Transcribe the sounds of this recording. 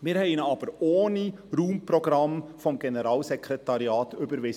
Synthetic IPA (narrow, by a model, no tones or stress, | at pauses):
mɪːɾhɛɪnɑːb̥əɾoːniɾuːmpɾɔɡɾɑmfɔmɡɛnəɾɑːlsɛkʰɾɛtɑɾjɑːtʏbəɾʋɪ